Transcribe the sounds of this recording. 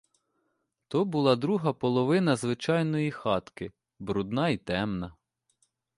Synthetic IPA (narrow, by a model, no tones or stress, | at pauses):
t̪ɔbʊlˠɑd̪ɾuɦɐpɔlˠɔʋɪnɐzʋɪt͡ʃɑjnɔjixɑt̪kɪ | bɾud̪nɑit̪ɛmnɐ